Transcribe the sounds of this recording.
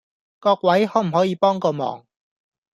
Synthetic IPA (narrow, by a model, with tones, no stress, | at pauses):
kɔː˧k̚wɐ˨˥jhɔː˨˥m̩˨˩hɔː˨˥jiː˧pɔː˥ŋkɔː˧mɔ̰ː˨˩ŋ